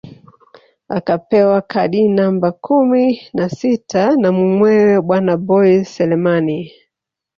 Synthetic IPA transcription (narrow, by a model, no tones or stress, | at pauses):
a̰kapɛwakaɗinambakuminasitʰanamumwɛwɛɓwanabɔisɛlɛmani